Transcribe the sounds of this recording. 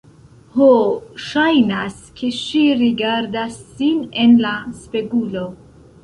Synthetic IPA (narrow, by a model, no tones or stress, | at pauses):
hoʃajnaskʰeʃiɾiɡaɾd̪asːinenlaspeɡulo